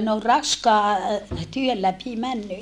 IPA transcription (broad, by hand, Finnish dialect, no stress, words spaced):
ne ol rɑskɑː tyøl læpi mænːy